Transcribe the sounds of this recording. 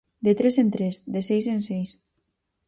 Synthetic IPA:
d̪et̪ɾesent̪ɾezd̪esejsensejs

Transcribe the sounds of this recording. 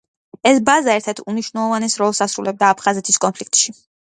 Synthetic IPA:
ɛsbazaɛɾt̪ʰɛɾt̪ʰuniʃvnɛlˠɔvanɛsɾɔlˠsasɾulɛb̚d̪aːpʰχazɛt̪ʰiskʼɔnpʰlik̚t̪ʼʃi

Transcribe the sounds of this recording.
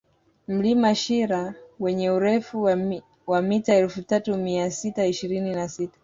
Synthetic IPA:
m̩limaʃiɾawɛɲɛuɾɛfu | wamitaɛlfutatumiasitaiʃiɾininasitḁ

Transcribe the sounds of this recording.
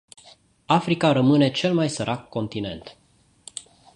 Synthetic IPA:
afɾikaɾəmɨne̞t͡ʃe̞lmajsəɾʔakːo̞nt̪ine̞̰nt̪

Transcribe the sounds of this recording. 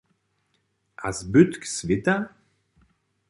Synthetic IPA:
ʔa̰zbyt̪ksvɪt̪a

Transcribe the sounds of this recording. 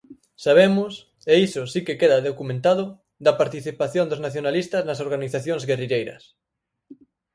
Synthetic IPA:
saβ̞emʊs | eisʊsikekeðɐðokumẽnt̪aðʊ | ðɐpaɾt̪iθipaθjond̪oznaθjonalist̪ɐznɐs̬oɾɣaniθaθjõŋzɣeriʎejɾɐ̰s

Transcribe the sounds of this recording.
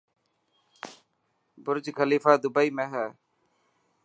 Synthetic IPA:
bʊɾd͡ʒkəliːfaːd̪ʊbəiːmẽːɦɛː

